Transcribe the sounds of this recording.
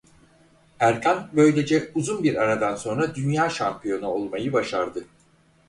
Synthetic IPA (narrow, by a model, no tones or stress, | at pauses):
æɾcʰanbø̞jlʲe̞d͡ʒɛuzunbiɾaɾad̪anso̞nɾad̪ynjaːʃampʰijo̞nao̞lˠmajɯbaʃaɾd̪ɯ